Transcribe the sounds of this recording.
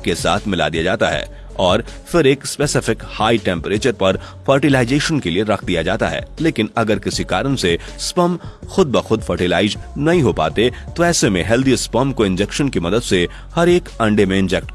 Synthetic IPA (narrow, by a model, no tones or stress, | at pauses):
kesa̰ːt̪ʰmɪla̰d̪ijad͡ʒaːt̪aɦɛ̰ː | ɔːɾfɪɾeːkspeːsɪfɪkhaːiʈɛ̃ːmpɾeːt͡ʃəɾpɐɾ | fɐɾʈɪlaːɪd͡ʒeːʃənkelieɾɐkʰd̪ijad͡ʒaːt̪a̰ɦɛ̰ːleːkɪnɐɡəɾkɪsikaːɾənse | spɐmxʊd̪̚bɐxʊd̪fʰɐɾʈɪlaːɪd͡ʒnɐɦĩɦopa̰ːt̪et̪oɛːsemẽɦɛld̪ispɐmkoɪ̃nd͡ʒɛkʃənkimɐd̪əd̪se | hɐɾeːkɐ̃ɳɖemẽɪ̃nd͡ʒɛːk̚ʈ